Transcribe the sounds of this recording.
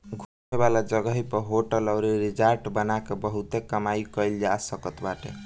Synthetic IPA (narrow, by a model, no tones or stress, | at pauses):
ɡʱumebalad͡ʒəɡəɦipəɦoʈələwɾiɾid͡ʒaɾʈbənakebəɦut̪ekəmajkəjld͡ʒasəkət̪baʈḛ